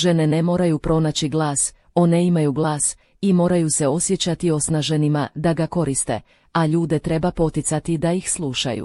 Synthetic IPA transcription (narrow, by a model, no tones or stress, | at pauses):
ʒe̞nene̞mo̞ːɾajupɾo̞naːt͡ɕiɡlˠaːs | o̞neimajuɡlˠaːs | imo̞ːɾajuse̞o̞sjet͡ɕat̪io̞snaʒenimad̪aɡako̞ɾist̪e̞̰ | aʎuːd̪e̞t̪ɾe̞bapo̞t̪it̪sat̪id̪aixslˠuʃa̰jṵ